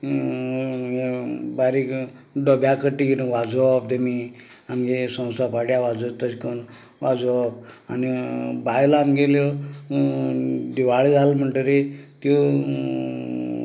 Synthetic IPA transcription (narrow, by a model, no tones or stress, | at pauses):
ɦebaɾik | ɖɔbjakəʈiknʋad͡zɔp̚d̪emi | amɡesə̃w̃st̪apaɽjaʋad͡zot̪əskən | ʋad͡zɔpa̰nibajlaːmɡeljɔ | d̪iʋaɭed͡zʱalm̤əɳʈəɾet̪o